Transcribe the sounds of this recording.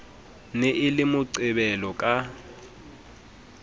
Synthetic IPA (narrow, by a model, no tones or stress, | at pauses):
neʔɪlɪmʊǀɪbɛlɔkʼa